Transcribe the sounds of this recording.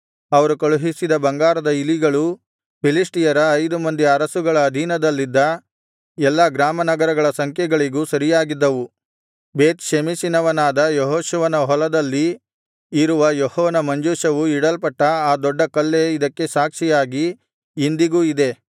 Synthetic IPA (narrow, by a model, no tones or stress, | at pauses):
ɐʋɐɾukɐɭuɦisid̪ɐbɐŋɡaːɾɐd̪ɐiliɡɐɭu | pilisʈijɐɾɐːjd̪umɐnd̪iɐɾɐsuɡɐɭɐːd̪ʱiːnɐd̪ɐlːid̪ːɐ | ɛlːɐɡɾaːmɐnɐɡɐɾɐɡɐɭɐsɐŋkʰjɛɡɐɭiɡuːsɐɾijaːɡid̪ːɐʋu | beːt̪ʃemisinɐʋɐnaːd̪ɐjɔɦoːʃuʋɐnɐɦɔlɐd̪ɐlːiː | ɾuʋɐjɔhɔːnɐmɐɲd͡ʒuːʃɐʋuiɽɐlpɐʈːɐaːd̪ɔɖːɐkɐlːe̞id̪ɐkːe̞saːkʂijaːɡiː | nd̪iɡuːid̪e̞